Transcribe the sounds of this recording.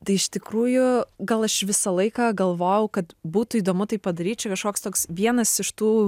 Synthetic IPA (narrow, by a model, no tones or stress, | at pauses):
t̪ɐɪɪʃt̪ʲɪkɾuːjʊɡɐlˠɐʃʋʲɪsɐlˠɐɪkɐːɡɐlˠʋoːjɛʊkɐt̪buːt̪ʊiːd̪oːmʊt̪ɐɪpːɐd̪ɐɾʲiːt͡ʃʲʊkɐʃkoːkst̪oːksʋʲiɛnɐsɪʃt̪uː